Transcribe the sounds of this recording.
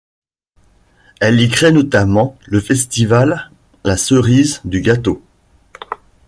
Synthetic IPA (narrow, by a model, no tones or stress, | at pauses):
ɛlikχɛnɔt̪amɑ̃ləfɛst̪ivalː | asəʁizd̪yɡat̪o